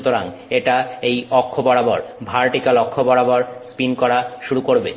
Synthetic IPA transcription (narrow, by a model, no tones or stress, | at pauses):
t̪oɾaŋ | eʈaejɔkʰːobɔɽabɔɾbʱaɾʈikalɔkʰːobɔɽabɔɾspinkɔɾaʃuɾukoɾbe